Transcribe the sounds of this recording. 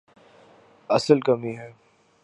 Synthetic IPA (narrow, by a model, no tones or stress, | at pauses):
ɐsəlkɐmiɦɛː